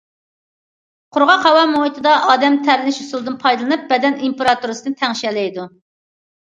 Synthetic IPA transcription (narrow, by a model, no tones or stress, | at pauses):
qʰʊɾʁɑqʰɑwɑmoit̪ʰɨd̪ɑʔɑːd̪ɛmt̪ʰæɾlɪnɪʃusulˠd̪ɨnpʰɑjd̪ɨlˠɨnɨp̚bɛd̪ɛnimpeɾɑt̪uɾɨsɨnɨt̪ʰæŋʃɛlɛjd̪u